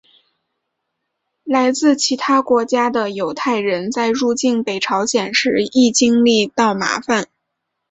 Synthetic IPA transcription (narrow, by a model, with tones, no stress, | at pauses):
la˧˥ɪt͡sɹ̩˥˩t͡ɕʰi˧˥t̪ʰa˥kwɔ˧˥t͡ɕja˥d̪ə˨jo˧˥ʊt̪ʰa˥˩ɪɻə˧˥nt͡sa˥˧ɪɻu˥˧t͡ɕi˥˩npe˨˩ɪʈ͡ʂʰɑ˧˥ʊɕjɛ˨˩nʂɻ̩˧˥i˥˩t͡ɕi˥ŋli˥˧t̪ɑ˥˩ʊma̰˧˥fa˥˧n